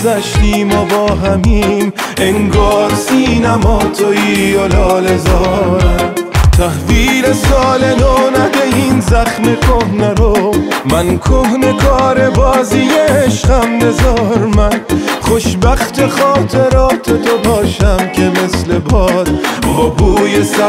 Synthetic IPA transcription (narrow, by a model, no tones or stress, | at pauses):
zæʃt̪iːmɔbɒːɦæmiːm | eŋɡɒːɾsiːnæmɒːt̪ʰoiːjolɒːlezɒːɾæmt̪ʰæhviːlesɒːled̪oːnæd̪eiːnzæχme̞kʰohneɾomænkʰohne̞kʰɒːɾe̞bɒːzijeːʃqæmbezɒːɾmænχo̞ʃbæχt̪ʰe̞χɒːt̪ʰe̞ɾɒːt̪ʰet̪ʰobɒːʃæmkʲʰe̞me̞sle̞bɒːd̪̥obuːjesæ